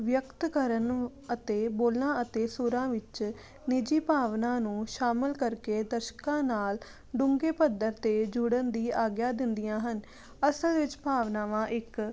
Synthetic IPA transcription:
ʋjəkt̪kəɾən | ət̪eːboːlnãːət̪eːsʊɾãːʋɪt͡ʃ | nɪd͡ʒiːpaːʋnãːnũːʃaːmɪlkəɾkeːd̪əʃkãːnaːl | ɖʊŋɡeːpəd̪əɾt̪eːd͡ʒʊɽənd̪iːaːɡjaːd̪ɪnd̪ɪjãːɦən | əsəlʋɪt͡ʃpaːʋnãːʋãːʔɪk

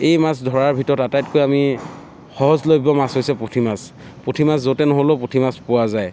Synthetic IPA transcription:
ejmasdʱɔɹaɹbʱitɔɹɔtatajtkojami | xɔɦɔzlojbɔmasɦojsɛpɹotʰimas | potʰimaszotɛnɔɦoloʊpotʰimaspʊwazaj

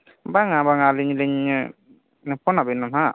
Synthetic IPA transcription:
baŋabaŋaliɲliɲ | pɔnabinːɔma

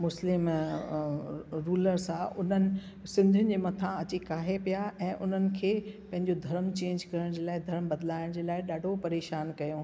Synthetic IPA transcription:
mʊslɪm | ɾuːləɾsãʔʊn̤ənɪ̆ | sɪ̃nd̪ʱɪənɪ̆d͡ʑeːmɐt̪ʰãɐt͡ɕekaːɦepijaʔɛ̃ːʔʊn̤ənɪ̆kʰeːpɐ̃ɦɪ̃ɲd͡ʑod̪ʱɐɾəmt͡ɕẽːɲd͡ʑkɐɾəɽ̃d͡ʑeːlaːɪd̪ʱɐɾəmbɐd̪laːɪɽ̃d͡ʑeːlaːɪɗaːɖʱopɐɾeːʃaːnkɐjõː

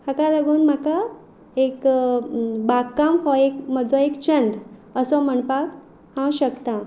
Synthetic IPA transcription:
hakaləɡuːnm̤aka | ek | bakːamɦɔekməd͡zɔekt͡ɕənd̪əsɔm̤əɳpak | hãwɕəkt̪a

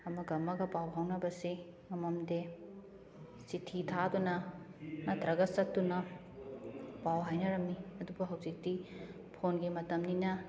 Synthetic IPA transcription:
ɐmɐɡɐmːɐɡɐbawɦɐwnɐbɐsi | mɐmɐmde | sitʰitʰadunɐnɐtɾɐɡɐsɐk̚tːunɐ | bawɦajnɐɾɐmːiɐdubɐɦɐwzik̚di | pʰonɡimɐtɐmninɐ

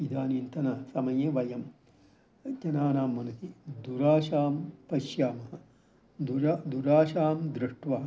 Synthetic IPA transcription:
id̪ʱaːniːnt̪ɐnɐːsɐmɐjeʋɐjɐm | d͡ʒɐnaːnaːmːɐnut̪id̪uɾaːʃaːmpɐʃjaːmɐɦɐ | d̪uɾad̪uɾaːʃaːmd̪ɾiʂʈʋaː

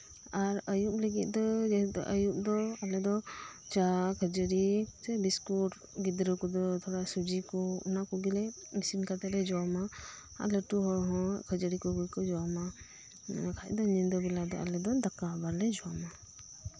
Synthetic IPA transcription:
aɾəjupləɡit̪̚ˀd̪ɔd͡ʒɛd̪ɔ̰ʔəjup̚d̪ɔalɛd̪ɔ | t͡ʃakʰəd͡ʒəɾisɛbiskuʈ | ɡid̪ɾəkɔd̪ɔt̪ʰɔɽasud͡ʒikɔṵnakɔɡilɛmisinkat̪ɛlɛd͡ʒɔama | a̰ləʈuɦɔɦɔ̃kʰəd͡ʒəɾikɔɡujkɔd͡ʒɔma | kʰac̚d̪ɔɲind̪ɔbɛlad̪ɔ̰a̰lɛd̪ɔd̪akabaɾlɛd͡ʒɔama

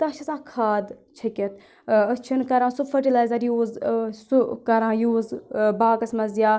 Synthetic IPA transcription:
t̪ɐːʃʰɐsãːkʰaːd̪t͡ʃʰɐkʲɐt̪ | ət͡ʃʰinkɐɾãːsufʰɐʈilaːjzɐɾjuːzsukɐɾãːjuːzbaːkɐsmɐzjaː

